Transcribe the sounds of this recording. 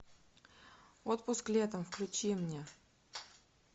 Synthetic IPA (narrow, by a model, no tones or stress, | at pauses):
ot̪̚pʊsklʲet̪əmfklʲʉt͡ɕimnʲe